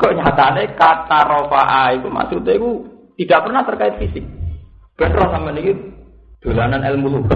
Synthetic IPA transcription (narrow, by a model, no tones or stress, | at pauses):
kɔʔɲat̪anekat̪aɾofa̰ʔait̪uma̰sut̪ekut̪idaʔpərnaht̪ərkaɪt̪̚fisɪk̚ | b̥ɛt̪ɾɔnaməniki | d̪̥o̤lananɛlmuluk